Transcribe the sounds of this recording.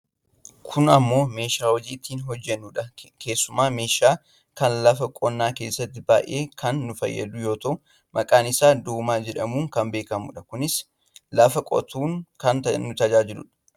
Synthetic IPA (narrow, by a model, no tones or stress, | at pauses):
kʰʊnɐmːo̞ːme̞ːʃaːwɔd͡ʒiːt̪iːnɦɔd͡ʒːɛnːuːᶑɐkʰe̞ːsːʊmaːme̞ːʃaː | kɐnlɐfɐkʼɔnːaːke̞ːsːɐt̪ːɪba̰ːʔe̞ːkʰɐnːʊfɐ̰jːɐ̰d̪ʊjo̞ːt̪ɐʊ | mɐkʼaːnɪsaːd̪uːmaːd͡ʒɛᶑɐmuːŋkɐmbe̞ːkɐmʊ̰ᶑɐkʊnɪs | lɐfɐkʼɔ̰t̪uːŋkɐnt̪ɐːʊt̪ɐd͡ʒaːd͡ʒɪlʊ̰ᶑɐ̥